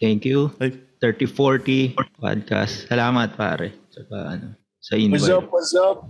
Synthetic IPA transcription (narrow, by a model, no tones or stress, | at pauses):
t̪ɛŋkjut̪ɛɹt̪ifoɹt̪ipa̰d̪̚ka̰st̪ːɐlaːmɐt̪̚pa̰ːɾɛt͡ʃɐkɐ̰ʔɐ̰no | sɐʔɪnɐap̚ɐzap̚